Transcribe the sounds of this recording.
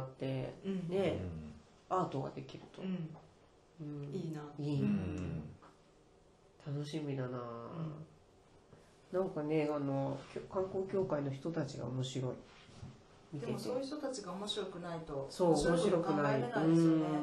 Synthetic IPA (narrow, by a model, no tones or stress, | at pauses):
t̪ːe̞ne̞ | aːt̪o̞ɡa̰d̪e̞kʲiɾɯ̟t̪o̞ | ɯ̟̃ɴiːnaiː | t̪ʰano̞ɕimʲid̪anaː | nãŋkane̞ano̞kʲokãŋko̞ːkʲo̞ːkaino̞çi̥t̪o̞t̪at͡ɕiɡa̰omo̞ɕiɾo̞ḭ | mʲid̪esojç̥t̪ot̪at͡ɕiɡaomoɕiɾo̞kɯ̟nait̪oso̞ːomoɕiɾo̞kɯnaiɯ̟̃ː